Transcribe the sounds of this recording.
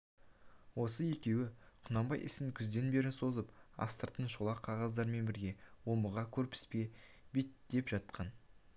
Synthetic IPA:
wo̞səje̞kʲe̞wɪqʰʊnɑmbɑjʔɪ̰sɪŋkʲʰʏzd̪e̞nbe̞ɾɪnso̞zəpɑ̰st̪əɾt̪ənʃolˠɑqʰɑʁɑzd̪ɑɾme̞nbɪɾɡʲe̞wo̞mbəʁɑkʲʰɵɾpɪ̥spe̞bet̪d̪e̞pʒɑt̪̚qʰɑn

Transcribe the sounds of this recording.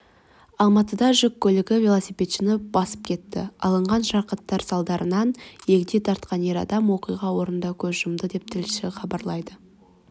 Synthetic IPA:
ɑlˠmɑt̪əd̪ɑʒʏkʲʰːɵlɪɡʲɪvʲelˠosipʲe̞t̪ʃɪnopbɑsə̥p̚kʲʰe̞t̪ːɪ̰ɑ̰lˠəɴʁɑnʒɑɾqət̪ːɑɾsɑlˠd̪ɑɾʔənɑnje̞kʲɪd̪e̞t̪ʰɑɾt̪qɑnje̞ɾɑ̰d̪ɑmwo̞qijʁɑwo̞ɾənd̪ɑkʲʰɵzʒʊmd̪əd̪e̞p̚t̪ʰɪlʃɪχɑbɑɾlˠɑjd̪ə

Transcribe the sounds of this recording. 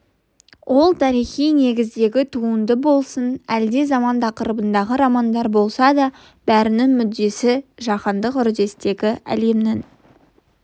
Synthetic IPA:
wʔo̞lˠt̪ʰɑɾijχijne̞ɡʲɪzd̪e̞ɡʲɪt̪ʰuənd̪əbo̞lˠsənæld̪e̞zɑmɑnt̪ʰɑqəɾəbənd̪ɑʁəɾɑmɑnd̪ɑɾbo̞lˠsɑd̪ɑ | b̥æɾɪnɪŋmʏd̪ːe̞sɪʒɑqɑnd̪əqʏɾd̪e̞st̪e̞ɡʲɪʔæ̰le̞mnɪŋ

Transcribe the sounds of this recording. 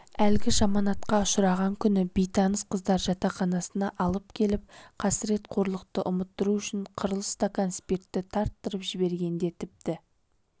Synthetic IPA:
ælɡʲɪʒɑmɑnɑt̪̚qɑʊʃɾɑʁɑŋkʲʰʏnɪbejt̪ʰɑnəsqʰəzd̪ɑɾʒɑt̪ɑχɑnɑsənɑʔɑlˠəp̚kʲʰe̞lɪp̚qʰɑsɪɾe̞t̪qʰo̞ɾlˠəq̚t̪əʔʊmət̪ːəɾuʏʃɪɴqʰəɾəlˠəst̪akanspekt̪ːɪt̪ʰɑɾt̪ːəɾəpʒɪbe̞ɾɡʲe̞nd̪e̞t̪ʰɪp̚t̪ɪ

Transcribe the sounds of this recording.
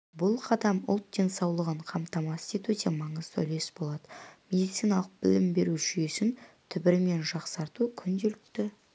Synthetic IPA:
bʊlˠqʰɑd̪ɑmʊ̰lˠt̪̚d̪e̞nsɑwlˠəʁəɴqʰɑmt̪ɑmɑst̪et̪ɵt̪emɑɴəzt̪ʰɵ̰le̞sbolˠɑd̪əme̞d̪ijt̪sijnɑlˠəq̚b̥ɪlɪmbe̞ɾuʒʏje̞sɪnt̪ʰʏbɪɾɪme̞nʒɑqsɑɾt̪ukʲʰʏnd̪e̞lɪk̚t̪ɪ

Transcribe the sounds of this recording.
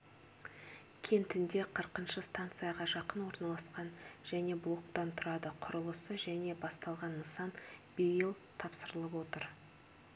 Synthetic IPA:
kʲʰe̞nt̪ɪnd̪e̞qʰəɾqənʃəst̪ant̪sɨjaʁɑʒɑqənwo̞ɾnɑlˠɑsqɑnʒæne̞blˠo̞k̚t̪ɑnt̪ʰʊɾɑd̪əqʰʊɾəlˠəsəʒæne̞bɑst̪ɑlˠʁɑnːəsɑnb̥ejəlˠ | t̪ʰɑpsəɾəlˠəpwo̞t̪əɾ

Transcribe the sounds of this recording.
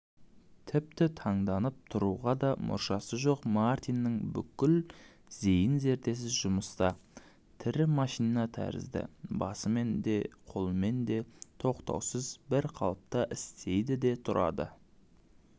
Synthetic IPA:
t̪ʰɪp̚t̪ɪt̪ʰɑɴd̪ɑnəp̚t̪ʰʊɾuʁɑd̪ɑmʔʊ̰ɾʃɑsəʒo̞qmart̪ijnːəŋbʏkʲɪl | z̥ejɪnze̞ɾt̪e̞s̬ɪzʒʊməst̪ɑ | t̪ʰɪɾɪmɑʃijnnɑt̪ʰæ̰ɾɪ̰zd̪ɪ̰bɑsəme̞nd̪e̞qʰo̞lˠəme̞nd̪e̞t̪ʰo̞qt̪ɑ̰wsəzbɪɾqʰɑ̰lˠəp̚t̪ɑʔɪst̪e̞jd̪ɪd̪e̞t̪ʰʊɾʔɑ̰d̪ə̰

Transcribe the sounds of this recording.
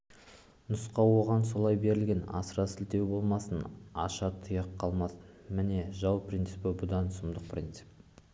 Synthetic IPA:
nʊsqɑwo̞ʁɑnso̞lˠɑjbe̞ɾɪlɡʲenɑ̰səɾɑsɪlt̪e̞wbo̞lˠmɑsənɑʃɑt̪ʰəjɑqʰːɑlˠmɑsə | mɪne̞ʒɑwprʲint̪sɨpɪbʊd̪ɑnsəmd̪əq̚pʰrʲint̪sɨ̥p

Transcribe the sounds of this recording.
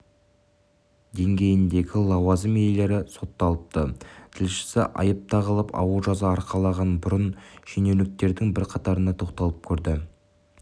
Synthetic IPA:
d̪e̞ŋɡʲe̞jɪnd̪e̞ɡʲɪlˠɑwɑzəmejle̞ɾɪso̞t̪ːɑlˠəp̚t̪ət̪ʰɪlʃɪ̥sɪʔɑ̰jəp̚t̪ɑʁəlˠəpʰɑ̰wəlˠʒɑzɑːɾqʰɑlˠɑʁɑnbʊɾənʃenelɪk̚t̪e̞ɾd̪ɪŋbɪɾqʰɑt̪ɑɾənɑt̪ʰo̞qt̪ɑlˠəp̚kʲʰɵɾd̪ɪ

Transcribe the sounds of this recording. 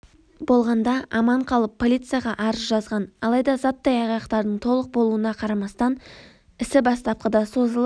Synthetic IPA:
bo̞lˠʁɑnd̪ɑɑmɑɴqʰɑlˠəpʰːo̞lʲijt̪sɨjaʁɑʔɑɾəzʒɑzʁɑnɑlˠɑjd̪ɑzɑt̪ːɑjɑʁjɑqt̪ɑɾd̪əɴt̪ʰo̞lˠəq̚bo̞lˠuənɑqʰɑɾɑmɑst̪ɑn | ɪsɪbɑst̪ɑp̚qəd̪ɑso̞zəlˠ

